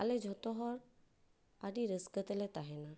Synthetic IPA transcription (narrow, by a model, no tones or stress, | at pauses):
a̰led͡ʒʱɔt̪ɔɦɔɾ | aɖiɾəskət̪ɛlɛt̪aɦɛna